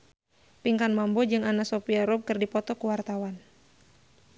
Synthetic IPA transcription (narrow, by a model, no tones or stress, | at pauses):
piŋkanmambɔd͡ʒɨŋanasopiaɾɔb̚kɨrdipɔt̪ɔkuwart̪awan